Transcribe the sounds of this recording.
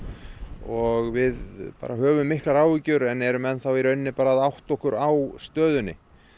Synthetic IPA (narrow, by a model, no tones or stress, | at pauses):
ɔɣvɪðpa̰ːɾaɦœːvʏmːɪhklaɾaːwicʏɾɛnɛɾʏmɛnːθawiɾœɥnːɪpaːɾaːðawht̪ɔhkʏɾawst̪œːðʏnːɪ